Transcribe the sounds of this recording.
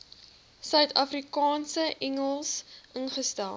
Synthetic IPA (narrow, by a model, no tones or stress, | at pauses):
sœɥtɐfrikɑːnsəʔɛŋəlˠsʔənχəstælˠ